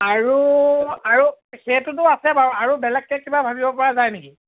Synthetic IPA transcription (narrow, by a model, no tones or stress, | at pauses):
aɹuaɹuxɛtʊt̬ʊasɛbaaɹubɛlɛkːɛkibabʱabibɔpɔɹazajneki